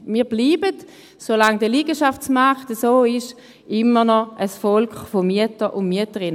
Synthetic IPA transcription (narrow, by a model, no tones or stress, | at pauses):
miːɐbliːbət | solaŋdəliːɡəʃaft͡smaχtəsoːɪʃ | ʔɪmənɔʔəsfɔlkχfomyətəʔʊnmyətəʁɪn